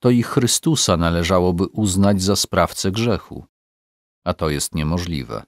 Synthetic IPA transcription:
t̪ɔixɾɘst̪usanalɛʐawɔbɘʔuznad͡ʑzaspɾaft̪sɛɡʐɛxṵ | at̪ɔjɛst̪ɲɛmɔʐlʲḭvɛ̰

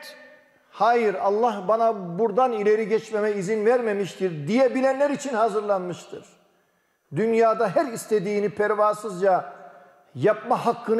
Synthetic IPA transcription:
haːjɯɾɑlˠːahbanabuɾd̪anilʲe̞ɾiɟɛt͡ʃmemɛizinvæɾmemiʃt̪ʰiɾd̪ijɛbilʲænlʲæɾit͡ʃʰinhazɯɾlˠanmɯʃt̪ʰɯɾ̥ | d̪ynjaːd̪aɦæɾist̪ʰed̪iːnipʰæɾvaːsɯzd͡ʒa | jap̚mahakʰːɯn

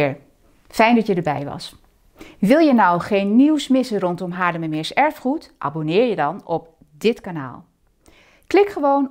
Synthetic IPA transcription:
ɹ | fɛjndɑtjədəɹbɛjʋɑ̰s | ʋɪlˠjənʌwχejnːiwsmɪsərɔntɔmɦaːdəməmɪɹsɛɹfχutʔa̰ːbonɪːɹjədɑnɔp | dɪtkana̰ːlˠ | klɪkχəʋown

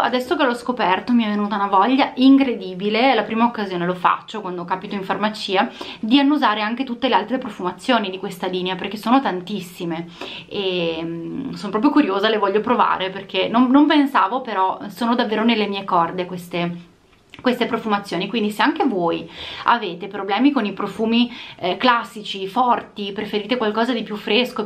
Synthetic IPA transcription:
a̰d̪ɛsːokelɔskopɛrt̪omiɛvenuːt̪aunavɔʎːaʔiŋkɾed̪iːbilelapɾiːmaokːazjoːnelofa̰t͡ʃːokwand̪okaːpit̪oiɱfarmat͡ʃiːad̪ianːuzaːɾeaŋket̪ut̪ːelealt̪ɾepɾofumat̪sːjoːnid̪ikwest̪aliːneaperkesːoːnot̪ant̪isːimeemsonopɾɔːpɾjokuɾjoːzalevɔʎːopɾova̰ːɾeperkʰenomnompensaːvopeɾɔsoːnod̪avːeːɾonelːemiːekɔrd̪ekwest̪e | kwest̪epɾofumat̪sːjoːnikwind̪iseaŋk̟evoːja̰veːt̪epɾoblɛːmikonipɾofuːmiklasːit͡ʃifɔrt̪ipɾefeɾiːt̪ekwalkɔːzad̪ipjufːɾesko

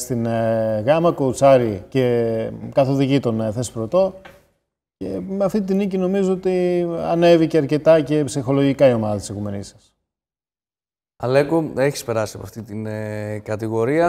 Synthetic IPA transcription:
st̪inɣɐmɐkout͡sɐɾice̞kɐθo̞ðiʝit̪o̞nθe̞spɾo̞t̪o̞ | ce̞̰meɐft̪it̪inicino̞mizoot̪iɐ̰ne̞viceɐɾce̞t̪ɐce̞psixo̞lo̞ʝikɐio̞mɐðɐt̪isekume̞nisɐ̥s | ɐlekoeçi̥spe̞ɾɐsiɐpoɐ̰ft̪it̪inekɐt̪iɣo̞ɾiɐ

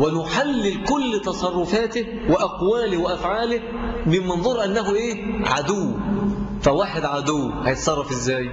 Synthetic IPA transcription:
wɪnʊħalːɪlkʊlːt̪ɑsˤɑrˤːʊfaːt̪ɪ | wɪʔɑqwaːlɪhwɪʔafʕaːlɪh | mɪmːænðˤʊɾːˤʔanːæɦʊʔeːʕa̰d̪ʊwːfæwaːħɪd̪ʕad̪ʊwːhæjɪt̪sˤɑrˤːɑfɪzːæːj

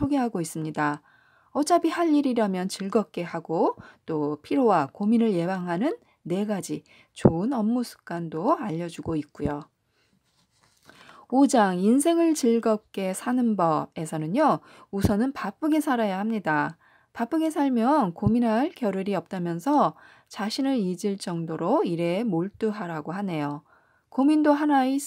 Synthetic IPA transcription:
oɡe̞ɦaɡois͈ɯmɲida | ʌt͡ɕabihaʎːiɾiɾamjʌnt͡ɕiɭɡʌp̚k͈e̞haɡot͈opʰiɾowakominɯɭje̞baŋɦanɯnː | e̞ɡad͡ʑi | t͡ɕoɯnʌmːusʰu̥k̚k͈andoaʎːʌd͡ʑuɡoik̚k͈ujo | od͡ʑaŋins̬ʰe̞ŋɯɭt͡ɕiɭɡʌp̚k͈e̞sʰanɯnbʌbe̞sʰʌnɯɲjo | usʰʌnɯnpap͈ʰɯɡe̞sʰaɾajahamɲida | pap͈ʰɯɡe̞sʰaɭmjʌnkominɦaɭkjʌɾɯɾiʌp̚t͈amjʌnsʰʌ | t͡ɕaɕʰinɯɾid͡ʑiɭt͡ɕ͈ʌŋdoɾoiɾe̞moɭt͈uɦaɾaɡoɦane̞jo | komindoɦanai

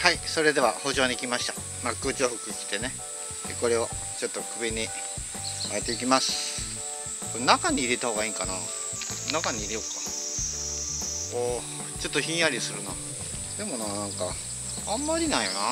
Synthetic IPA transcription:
haiso̞ɾe̞d̪e̞βa̰ho̞ʑo̞ːɲʲikʲimaɕi̥t̪a | makːɯːt͡ɕioɸɯ̟kɯikʲi̥t̪e̞ne̞ | ḛko̞ɾe̞o̞t͡ɕo̞t̪ːo̞kɯ̟biɲ̟i | aet̪e̞ik̬ʲimasɨ̥ | konakaɲ̟iːɾet̪aho̞ːɡaiːŋkana̰ | nakaɲ̟iiɾʲejokḁ | o | t͡ɕo̞t̪ːoçʲĩɰ̃jaɾʲisɨɾɯ̟na | d̪e̞mo̞naːnãŋka̰ | amːaɾʲinaijona

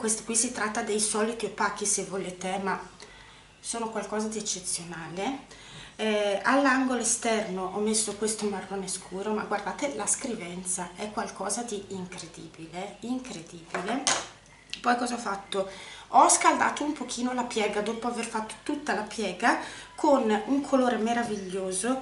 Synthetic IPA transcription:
kwest̪o̥kwisit̪ɾat̪ːad̪ejsɔːlit̪iepːak̟ːisevːoleːt̪ema | soːnokwalkɔːzad̪iɛt͡ʃːet̪sːjonaːle | ɛalːaŋɡoloest̪ɛrnoʔɔmːesːokwest̪omarːoneskʰuːɾomaɡward̪aːt̪elaskɾivɛnt̪saʔɛkːwalkʰɔːzad̪iːŋkɾed̪ḭːbileiŋkɾed̪iːbile | pɔjkɔːzaɔfːat̪ːoɔskald̪a̰ːt̪oumpok̟ʰiːnolapjɛːɡad̪oːpoaverfat̪ːo̥t̪ut̪ːalapjɛːɡakʰonuŋkʰoloːɾemeɾaviʎːoːzo

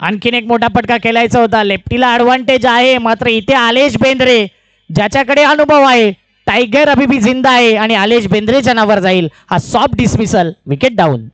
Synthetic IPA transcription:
a̰nkʰiːnekmoʈʰapəʈkakelajt͡səɦot̪̬alep̚ʈilaːɽʋaɳʈed͡ʑaɦemat̪ɾəit̪ʰealeɕbend̪ɾe | d͡ʑjat͡ɕjakəɽeənubʱəʋaɦe | tajɡəɾəbʱibʱiːd͡zind̪aːɦeaɽ̃ialeɕbẽnd̪ɾed͡ʑənaʋəɾd͡zaiːlhasɔp̚ɖismisəlʋikeʈ̚ɖaṵːn

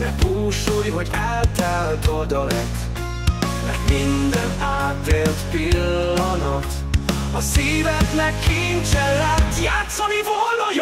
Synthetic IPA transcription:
d̪ɛ̰puːʃujvɒɟɛlt̪ɛlt̪od̪ɔlɛk | mɛ̰rk̪mind̪ɛnaːt̪ʋeːlt̪pilːɒnɒt̪ | ɒsiːvɛk̪nɛkːint͡ʃɛlːɛt̪jaːt̪sɒnivolj

